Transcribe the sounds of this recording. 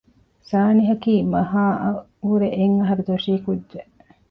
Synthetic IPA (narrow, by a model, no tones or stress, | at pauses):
saːniɦɐkiːmɐɦaːʔɐ | uɾeʔeŋːɐɦɐɾud̪uʋɐʂiːkudd͡ʒe